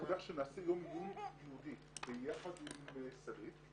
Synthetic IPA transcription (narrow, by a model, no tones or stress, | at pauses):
od̪aχʃenaːsejomjumjiud̪i | bejaχad̪imsaɾit